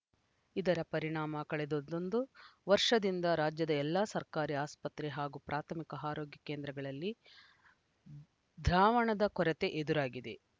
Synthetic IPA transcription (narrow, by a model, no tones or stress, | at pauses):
id̪ɐɾɐpɐɾiɳaːmɐkɐɭɛd̪od̪ond̪uʋɐɾʂɐd̪ind̪ɐɾaːd͡ʒjɐd̪ɐɛlːasɐɾkaːɾiaːspɐt̪ɾeɦaːɡupɾʔaːt̪ʰɐmikɐɦaːɾoːɡjɐkeːnd̪ɾɐɡɐɭɐlːi | d̪ʱɾaːʋɐɳɐd̪ɐkɔɾɛt̪e̞ʔed̪uɾaːɡid̪e̞